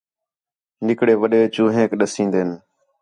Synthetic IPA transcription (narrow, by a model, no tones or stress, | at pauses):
nɪkɽeːʋəɗeːt͡ʃuːɦẽːkɗəsĩːnd̪eːn